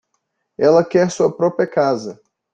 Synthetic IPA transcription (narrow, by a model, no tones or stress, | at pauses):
ɛlɐkɛɾsuɐpɾɔpɾiɐkazɐ